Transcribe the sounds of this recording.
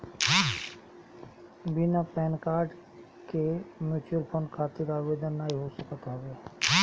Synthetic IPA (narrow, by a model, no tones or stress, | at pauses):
binapɛːnkaːɾɖ | kemjuːt͡ʃuəɾpʰoːnkʰaːt̪ɪɾaʋeːd̪ənːaːiɦosəkət̪ɦʋeː